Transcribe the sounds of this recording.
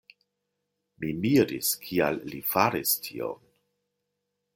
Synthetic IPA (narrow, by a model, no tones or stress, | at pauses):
mimiɾiskʰialːifaɾistʰḭo̰n